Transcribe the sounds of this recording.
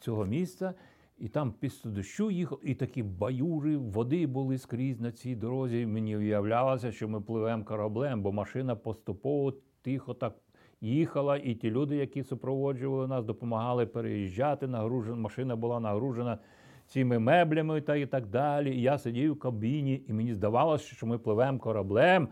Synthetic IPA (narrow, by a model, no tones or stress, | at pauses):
t͡sʲɔɦɔmʲist̪sɐ | it̪ɑmpʲist̪ʊd̪ʊʃt͡ʃujixɐlˠit̪ɐkʲibɐjurɪʋɔd̪ɪbʊlˠɪskɾʲizʲnɐt͡sʲijd̪ɔɾɔzʲimenʲiwjɐwlʲalˠɐsʲɐʃt͡ʃɔmɪplˠɪʋɛmkɐɾɐblˠɛmbɔmɐʃɪnɐpɔst̪ʊpɔʋɔt̪ʲixɔt̪ɑk̚ | jixɐlˠɐʔitʲilʲud̪ɪjɐkʲisʊpɾɔʋɔd͡ʒʊʋɐlˠɪnɑsd̪ɔpɔmɐɦɑlˠɪpeɾḛjiʒʲːɑt̪ɪnɐɦɾuʒenmɐʃɪnɐbʊlˠɑnɐɦɾuʒenɐ | t͡sʲimɪmɛblʲɐmɪt̪ɑit̪ɑɡ̚d̪ɑlʲiːjasedʲijwkɐbʲinʲiːmenʲizd̪ɐʋɑlˠɐsʲt͡ʃt͡ʃɔmɪplˠɪʋɛmkɔɾɐblˠɛm